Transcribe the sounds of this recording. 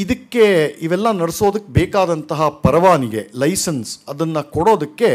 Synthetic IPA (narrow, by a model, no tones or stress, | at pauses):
id̪ɐkːe̞iʋɛlːɐnɐɽeso̞ːd̪ɐkːebɛːkaːd̪ɐnt̪ɐɦɐpɐɾɐʋaːniɡe̞lɐjsɐnsɐd̪ɐnːɐkoɽo̞ːd̪ɐkːe̞